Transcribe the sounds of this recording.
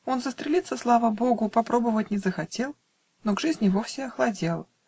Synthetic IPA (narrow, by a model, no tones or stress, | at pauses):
o̞nzəst̪ɾʲɪlʲit̪sːəslˠavəbo̞ɡʊpɐpɾo̞bəvət̚ʲnʲɪzəxɐtʲe̞lˠ | noɡʐɨzʲnʲɪvo̞fsʲɪɐxlˠɐdʲelˠ